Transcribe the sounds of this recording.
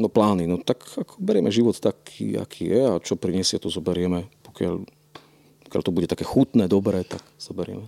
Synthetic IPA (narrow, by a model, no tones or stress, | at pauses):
nɔplaːninɔt̪akakʰɔ̥bɛɾɪɛmɛʒiʋɔt̪t̪akʰḭːa̰kʰiːjɛat͡ʃɔpɾiɲɛsɪat̪ɔzɔbɛɾɪɛmɛpɔ̥kɪa̰ʎ | pɔ̥kɪja̰lt̪ɔbuɟɛt̪ḁkɛxut̪nɛːd̪ɔbɾɛːt̪akz̥ɔbɛɾɪɛ̰mɛ